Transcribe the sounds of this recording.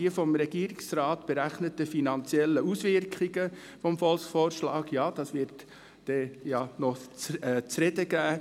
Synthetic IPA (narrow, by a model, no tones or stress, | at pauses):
iəfɔmɾɛɡ̥iəɾɪksɾɑːtb̥ɛɾæχnətːəfinɑnt͡sjɛlːəusʋɪɾkχiɡə | fɔmfɔlˠsfɔːɾʃlɑːɡjɑːd̥ɑsʋɪɾt | d̥ɛjɑnɔt͡sːt͡sɾɛdəɡæː